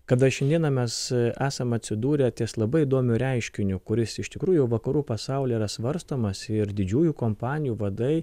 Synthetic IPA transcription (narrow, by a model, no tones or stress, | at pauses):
kɐd̪ɐʃʲɛnd̪ʲiɛnɐmʲɛsæːsɐmɐt̪ʲsʲɪd̪uːɾʲɛt̪ʲiːslˠɐbɐɪid̪oːmʲʊɾʲɛɪʃʲkʲɪnʲʊkʊɾʲɪsɪʃt̪ʲɪkɾuːjʊjɛʊʋɐkɐɾuːpɐsɑˑʊlʲɛiɾɐsʋɐɾst̪oːmɐsɪɾd̪ʲɪd͡ʒʲuːjuːkoːmpɑːnʲɪjuːʋɐd̪ɐɪ